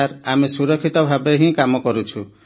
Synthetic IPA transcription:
ɾamesuɾɔkʰːit̪ɔbʱabeɦĩkamɔkɔɾut͡ʃʰu

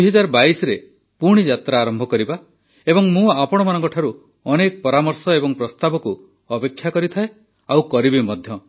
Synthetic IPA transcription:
ɦɔd͡ʒaɾɔbaisɔɾe | puɾɽ̃id͡ʒat̪ɾaːɾɔmbʱɔkɔɾiba | ebɔŋmũapɔɽ̃ɔmanɔ̃ŋkɔʈʰaɾu | ɔnekɔpɔɾamɔɾsɔebɔŋpɾɔst̪abɔku | ɔpekʰːjakɔɾit̪ʰae | awkɔɾibimɔd̪ʱjɔ

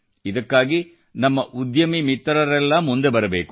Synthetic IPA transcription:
id̪ɐkːaːɡi | nɐmːɐʔud̪jɐmimit̪ːɐɾɐɾɛlːɐmund̪e̞bɐɾɐbeːku

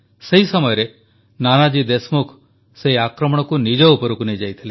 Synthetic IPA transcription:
seɦisɔmɔjɔɾe | nanad͡ʒid̪esmukʰ | seɦiakɾɔmɔɽ̃ɔkunid͡ʒɔupɔɾukunejd͡ʒajt̪ʰile

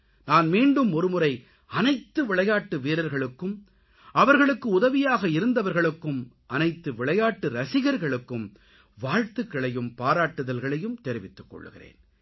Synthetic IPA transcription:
naːnmiːɳɖɯmɔɾɯmɯɾɐɪ | ɐnɐɪt̪ːɯʋɪɭɐjaːʈːɯʋeːɾɐɾɣɐɭɯkːɯm | ɐʋɐɾɣɐɭɯkːɯʊðɐʋɪjaːɣɐɪɾɯnd̪ɐʋɐɾɣɐɭɯkːɯm | ʔɐnɐɪt̪ːɯʋɪɭɐjaːʈːɯɾɐsɪɣɐɾɣɐɭɯkːɯm | ʋaːɻt̪ɯkːɐɭɐjɯmpaːɾaːʈːɯðɐlɣɐɭɐjɯmt̪ɛɾɪʋɪt̪ːɯ̥kːɔ̰ɭːɯ̰ɣɪ̰rḛːn

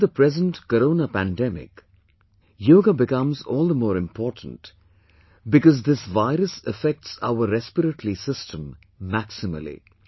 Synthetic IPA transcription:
ðəpɾɛzə̃nʈkəɾõːnəpæ̃ndɛmɪ̰k | joːɡabɪkʌ̃mzɔːlˠd̪əmɔːɾɪ̃mpʰɔːɾʈn̩t | bɪkɔzd̪ɪsʋaɪɾəsəfɛk̚ʈsa̰ʊəɾɛspəɾəʈlisɪstʰə̃mː | æksɪmə̰lḭ

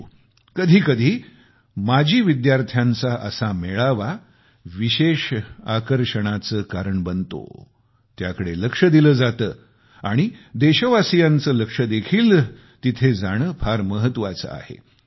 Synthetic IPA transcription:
kəd̪ʱiːkəd̪ʱiː | mad͡ʑʱiːʋid̪jaɾt̪ʰjãnt͡saʔəsameɭaʋa | ʋiɕeʂa̰kəɾʂəɽ̃at͡səːkaɾəɳbənt̪o̰ | t̪jakəɽeləkʂəd̪iləːd͡zat̪əː | aɽ̃id̪eɕəʋasijant͡səːləkʂəd̪ekʰiːl | t̪it̪ʰed͡zaɽ̃əfʰaɾməɦət̪ːʋat͡sə̰a̰hḛ

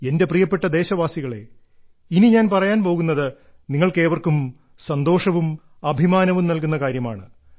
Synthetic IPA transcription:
e̞nde̞prijɐpːe̞ʈːɐd̪e̞ːɕɐʋaːsiɣɐɭe̞̰ | iniɲaːnpɐrɐjaːnpo̞ːɣunːɐðɨ | niŋːɐɭke̞ːʋɐrkum | sɐnd̪o̞ːʂɐʋum | ɐbʱimaːnɐʋumnɐlkunːɐkaːɾjɐma̰ːɳɨ

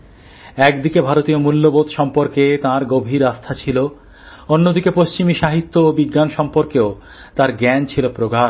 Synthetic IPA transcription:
ɛkd̪ikebʱaɾot̪iomulːobot̪ʃɔmpoɾket̪ãɾɡobʱiɾast̪ʰat͡ɕʰilo | onːod̪ikepost͡ɕimiʃaɦit̪ːoobiɡːanʃɔmpoɾkeo | t̪ãɾɡɛnt͡ɕʰilopɾoɡa

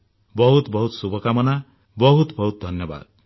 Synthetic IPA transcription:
bɔɦut̪bʌɦut̪subʱʌkamʌna | bʌɦut̪bʌɦut̪̚d̪ʱʌnjʌba̰d̪̥̚

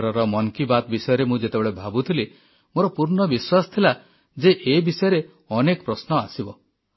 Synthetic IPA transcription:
ɾɔɾɔmɔŋkibat̪bisɔjɔɾemũd͡ʒet̪ebeɭebʱabut̪ʰili | moɾɔpuɾɳɔbiswasɔ̥t̪ʰila | d͡ʒeʔebisɔjɔɾe | ɔnekɔpɾɔsnɔasibɔ

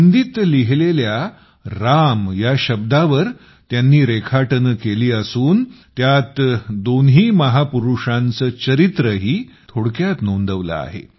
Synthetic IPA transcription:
nd̪it̪liɦlelja | ɾamjaɕəb̚d̪aʋəɾ | t̪janːiːɾekʰaʈənkeliːəsuːnt̪jat̪d̪onɦiːməɦapuɾuʂãnt͡səːt͡ɕəɾit̪ɾəɦiːt̪ʰoɽkjat̪nond̪əʋlə̰a̰ɦḛ

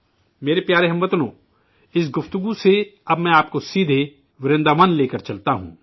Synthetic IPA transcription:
meːɾepjaːɾeɦɐmʋət̪nõː | ɪs̬ɡʊft̪ʊɡuseɐbmɛ̃aːp̚kosiːd̪ʱe | ʋɪɾɪ̃nd̪aʋənleːkəɾt͡ʃɐlt̪aɦṵ̃ː

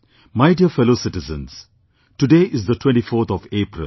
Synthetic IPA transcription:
maɪɖiəfɛlosɪʈɪzə̰̃ns | ʈuɖeːʔɪzd̪ətʰwɛ̃ɳʈifoːɾt̪ʰɔʋeːpɾɪ̰l

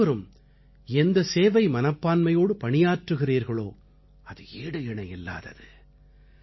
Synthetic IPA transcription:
ɐɾɯm | ɛnd̪ɐseːʋɐɪmɐnɐpːaːnmɐjoːɽɯpɐɳɪjaːʈrɯɣɪriːɾɣɐɭo̰ː | ɐðɯeːɽɯɪɳɐjɪlːa̰ːðɐ̰ðɯ

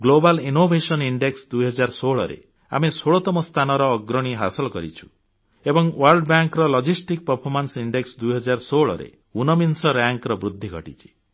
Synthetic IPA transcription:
ɡlobalinobʱesɔniɳɖeksd̪ujɦɔd͡ʒaɾsoɭɔɾḛ | a̰mesoɭɔt̪ɔmɔst̪ʰanɔɾɔːɡɾɔɽ̃iɦasɔlɔkɔɾit͡ʃʰu̥ | ebɔŋwaɾlɖɔbaŋkɾɔlɔd͡ʒisʈik̚pɔɾpʰɔɾmansiɳɖeksd̪ujɦɔd͡ʒaɾsoɭɔ̰ɾḛ | unɔminsɔɾaŋkɾɔbɾud̪ʱːiɡʱɔʈḭt͡ʃʰi̥

